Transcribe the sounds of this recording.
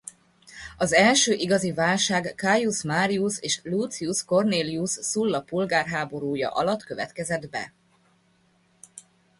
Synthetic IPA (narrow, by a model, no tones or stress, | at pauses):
ɒzɛlʃøːʔiɡɒzivaːlʃaːɡːaːjusmaːɾiuseːʃlut̪siusko̞rneːliusːulːɒpulɡaːrɦaːbo̞ɾuːjɒ̰ʔɒlɒt̪køvɛt̪kɛzɛd̪bɛ̰